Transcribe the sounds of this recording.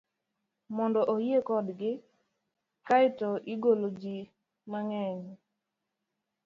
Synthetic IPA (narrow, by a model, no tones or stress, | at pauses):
mɔndɔʔojekɔdɡɪ | kaɪtɔʔiɡolod͡ʒi | maŋɛɲ